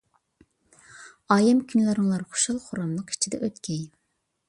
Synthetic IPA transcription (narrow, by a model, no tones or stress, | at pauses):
ɑːjɪmkʲʰynlɪɾŋlˠɑɾχo̥ʃɑlˠχʊɾɑmlˠəqi̥t͡ʃʰid̪ɛ̰ʔøt̪kʲɛj